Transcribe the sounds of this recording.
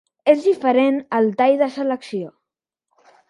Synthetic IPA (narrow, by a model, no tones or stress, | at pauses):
ezðifəɾenəlˠt̪ajðəsələksio